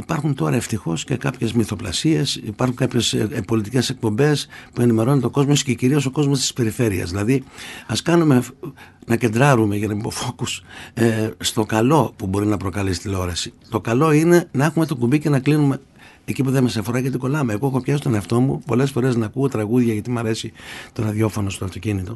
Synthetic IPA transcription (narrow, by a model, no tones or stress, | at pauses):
ipɐɾxunt̪o̞ɾɐeft̪ixo̞sce̞kɐpçe̞zmiθo̞plɐ̰sie̞sipɐɾxuŋkɐpçe̞spo̞lit̪ice̞se̞k̚po̞mbe̞spue̞nime̞ɾo̞nt̪o̞ko̞zmosce̞ciɾio̞so̞ko̞zmo̞st̪i̥spe̞ɾife̞ɾiɐ̰zðilɐðiɐskɐnume̞nɐce̞nd̪ɾɐɾume̞ʝɐnɐipo̞fo̞kus | st̪o̞kɐlo̞pubo̞ɾinɐpɾo̞kɐlisi̥t̪ilo̞ɾɐsit̪o̞kɐlo̞ine̞nɐe̞xume̞t̪o̞kumbice̞nɐklinume̞ː | cipuðemesɐfo̞ɾɐʝɐt̪iko̞lɐmeːɣo̞exo̞pçɐsi̥t̪o̞neɐft̪o̞mupo̞le̞sfo̞ɾe̞znɐːkuot̪ɾɐɣuðʝɐʝɐt̪imɐɾe̞sit̪o̞nɐðjo̞fo̞no̞st̪oɐft̪o̞cinit̪o̞